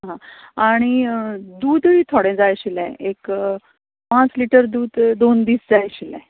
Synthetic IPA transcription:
ɦaɦãaɽ̃id̪uːd̪ɦiːt̪ʰoɽɛ̃d͡zajɕilɛ̃ek | pãt͡sliʈəɾd̪uːd̪d̪ond̪iːsd͡zajɕilɛ̰̃

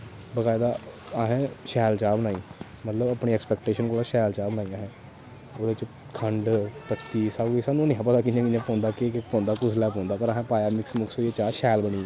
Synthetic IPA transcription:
bəɡaːed̪aː | əɦɛ̃ːʃɛːlt͡ʃaːbənaːiː | mət̪ləbaːpɳiːɛːkspɛːkʈeːʃənkoːlaːʃɛːlt͡ʃaːbənaːiːãːɦɛ̃ː | oːd̪et͡ʃ | kʰəɳɖpət̪ːiːsaːɡisaːnːũːnɪ̃ãːpət̪aːkinjãkɪãːpɔ̃ːnd̪aːkɪpɔ̃ːnd̪aːkʊslɛːpɔ̃ːnd̪aːpəɾəɦɛ̃ːpaːjaːmɪksmʊkʰsoːeːt͡ʃaːʃɛːlbəɽ̃iːɛː

